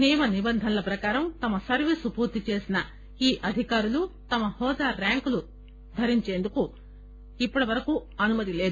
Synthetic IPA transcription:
neːmɐnibɐnd̪ʱɐnlɐpɾɐkaːɾɐmt̪ɐmɐsɐɾʋiːsupuːɾt̪it͡ʃe̞ːsinɐ | iːʔɐd̪ʱikaːɾulut̪ɐmɐhɔːd̪aːɾaːŋkulu | d̪ʱɐɾiɲt͡ʃe̞ːnd̪uku | ipːɐɽɐʋɐɾɐkuɐnumɐt̪̬ile̞ːd̪

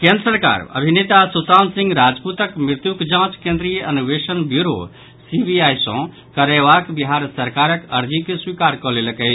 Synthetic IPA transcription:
kẽnd̪ɾəsəɾka̰ɾə̰bʱinet̪asusansĩŋɡɾad͡ʒput̪əkmɾiɾt̪jukd͡ʒãt͡ʃkẽnd̪ɾijəʔənubesənbjuɾo̰ | sibiajsɔ̰̃ | kəɾeβakbiɦaɾsəɾkaɾəkəɾd͡ʒikeswikaɾkɔleləkə

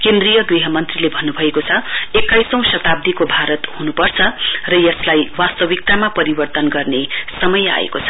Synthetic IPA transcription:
kend̪rijʌɡiɦʌmʌnt̪rilebʱʌnːubʱʌekot͡sʰʌekːajsʌ̃w̃sʌt̪ab̚d̪ikobʱaɾʌt̪hunupʌrt͡sʰʌrʌjʌslajwast̪ʌbik̚t̪amapʌɾibʌrt̪ʌnɡʌrnesʌmʌja̰ḛkot͡sʰʌ̥

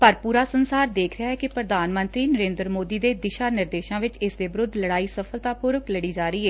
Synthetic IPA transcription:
pəɾpuːɾaːsənsaːɾd̪eːkʰɾɪaːɦɛːkɪpɾəd̪ʱaːnmə̃nt̪ɾiːnəɾẽːnd̪ɾəmoːd̪iːd̪eːd̪ɪʃaːnɪɾd̪eːʃãːʋɪt͡ʃɪsd̪eːbɪɾʊd̪ʱləɽaːiːsəfʰəlt̪aːpʊɾʊkləɽiːd͡ʒaːɾəiːɛː

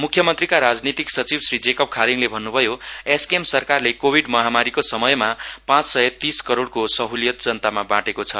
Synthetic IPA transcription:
mukʰjʌmʌnt̪rikaɾad͡znit̪iksʌt͡sibsrid͡zekʌp̚kʰaɾiŋlebʱʌnːubʱʌjoeskemsʌrkarlekobʱiɖmʌɦamaɾikosʌmʌjmapãt͡ssʌjʌt̪iskʌɾoɽkosʌɦuljʌt̪d͡zʌnt̪amabãʈekot͡sʰʌ̰

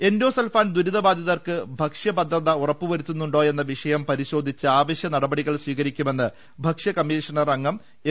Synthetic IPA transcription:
e̞ndo̞ːselfaːnd̪uɾiðɐbaːd̪ʱjɐðɐrkɨbʱɐkʂjɐbɐd̪ʱrɐðɐurɐpːuʋɐɾut̪ːunːuɳɖo̞ːe̞nːɐʋiʂɐjɐmpɐɾiɕo̞ːd̪ʱit͡ɕːɨaːʋɐɕjɐnɐɽɐbɐɽiɣɐɭsʋiːɣɐɾikʲːume̞nːɨ | bʱɐkʂjɐkɐmːiːʂɐɳɐrɐŋːɐm

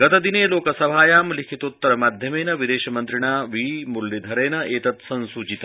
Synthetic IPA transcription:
ɡɐt̪ɐd̪ineːloːkɐsɐbʱaːjaːmlikʰit̪ut̪ːɐɾɐmaːd̪ʱjɐmeːnɐʋid̪eːʃɐmɐnt̪ɾiɳaːʋiːmulːid̪ʱɐɾeːnɐeːt̪ɐt̪sɐnsuːt͡ʃit̪ɐ

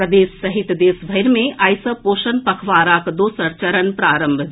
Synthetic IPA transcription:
ɐd̪eːsːɐɦit̪d̪eːsbʱɐjɾmẽʔɐjsɐpoːʃɐnpɐkʰʋaːɾaːkd̪oːsɐɾt͡ʃɐɾənpɾaːɾəmbʱ

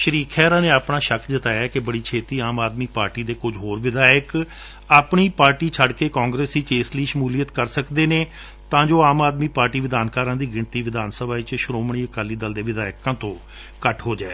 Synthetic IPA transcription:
ʃəɾiːkʰɛːɾãːneːaːpɳaːʃəkʰd͡ʒɪt̪aːjaːkɪbəɽiːt͡ʃʰeːt̪iːaːmaːd̪miːpaːɾʈiːd̪eːkʊd͡ʒɦoːɾʋɪd̪aːjək | aːpɳiːpaːɾʈiːt͡ʃʰəɖkeːkãːŋɡɾeːsdiːt͡ʃeːsliːʃəmuːliːət̪kəɾsəkd̪eːneː | t̪ãːd͡ʒoːaːmaːd̪miːpaːɾʈiːʋɪd̪aːnkaːɾãːd̪iːɡɪɳt̪iːʋɪd̪aːnsəbʱaːɪt͡ʃʃɾoːmɳ̃iːəkaːliːd̪əld̪eːʋɪd̪aːjkãːt̪õː | kəʈʰɦoːd͡ʒaːeː

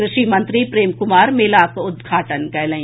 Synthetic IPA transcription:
ɾɪʃimɐ̃nt̪ɾipɾeːmkʊmaːɾmelaːkʊd̪ɡʱaːʈənkɐjlə̃

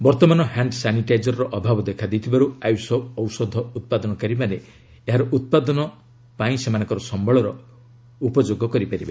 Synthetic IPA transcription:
bɔɾt̪ɔmanɔhaɳɖsaniʈajd͡ʒɔɾɾɔʔɔbʱabɔd̪ekʰad̪ejt̪ʰibaɾuajusɔɔwsɔd̪ʱɔut̪̚pad̪ɔnɔkaɾimane | eɦaɾɔʔut̪̚pad̪ɔnɔ | paĩsemanɔ̃ŋkɔɾɔsɔmbɔɭɔɾɔ | upɔd͡ʒoɡɔkɔɾipaɾibe

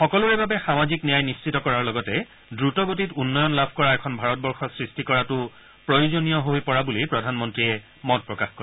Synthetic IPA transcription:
xɔkɔlʊɛbabɛxamaziknijajnist͡ʃʰitɔkɔɹaɹlɔɡɔtɛ | dɹutɔɡotitunːɔjɔnlabʱkɔɹaɛkʰɔnbʱaɹɔtbɔɹxɔsɹistikɔɹatʊ | pɹojuzonijɔɦojpɔɹabulipɹɔdʱanmɔntɹiɛ | mɔt̚pɹɔkaxkoɹɛ

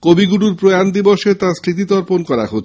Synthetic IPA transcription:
kobiɡuluɾpɾojand̪iboʃet̪ãst̪ɾit̪it̪ɔɾponkɔɾa̰ɦo

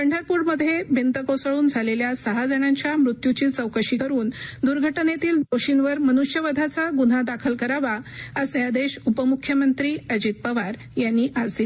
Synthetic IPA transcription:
pəɳɖʱəɾpuːɽməd̪ʱːjebʱent̪əkosəɭuːnd͡zʱaleljasəɦad͡zəɳãɲt͡ɕjamɾut̪jut͡ɕiːt͡səwkəɕikəɾuːnd̪uɾɡʱəʈnet̪iːld̪oɕinʋəɾmənuɕjəʋəd̪ʱat͡saɡun̤ad̪akʰəlkəɾaʋaəsjad̪eɕupəmukʰjəmənt̪ɾiːəd͡ʑit̪̚pəʋaɾ | janːiːʔad͡zd̪i

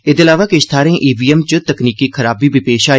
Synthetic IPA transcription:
ɪd̪eəlaːʋaːkɪʃt̪ʰaːɾẽːʔiːbiːɛmt͡ʃət̪əkniːkiːkʰəɾaːbiːbɪpeːʃaːi

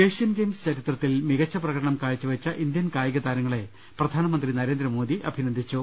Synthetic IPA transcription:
eːʂjɐnɡeːmst͡ɕɐɾit̪rɐt̪ːilmiɣɐt͡ɕːɐprɐɣɐɽɐɳɐmkaːɻit͡ɕːuʋɐt͡ɕːɐʔind̪jɐnkaːjɐɣɐt̪aːɾɐŋːɐɭe̞ | prɐd̪ʱaːnɐmɐnd̪rinɐɾe̞ːnd̪ɾɐmo̞ːd̪iʔɐ̰bʱinɐnd̪ʱit͡ɕːu

